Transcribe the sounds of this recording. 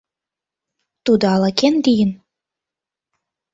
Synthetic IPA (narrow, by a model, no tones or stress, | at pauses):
t̪ud̪ɤɑlɑkend̪ijə̆n